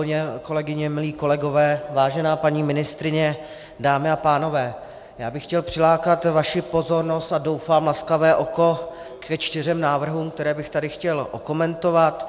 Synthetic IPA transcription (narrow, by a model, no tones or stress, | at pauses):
ɲɛko̞lɛɡɪɲɛmɪliːko̞lɛɡo̞vɛːvaːʒɛnaːpaɲiːmɪnɪst̪ɾɪɲɛ | daːmɪapaːno̞vɛː | jaːbɪxːcɛlpr̥ɪlaːkat̪vaʃɪpo̞zo̞ɾno̞st̪ado̞wfaːmlaskavɛːʔo̞ko̞ | kɛt͡ʃt̪ɪr̝ɛmnaːvr̩ɦuːmkt̪ɛɾɛːbɪxt̪adɪxcɛlʔo̰ko̞mɛnt̪o̞vat̪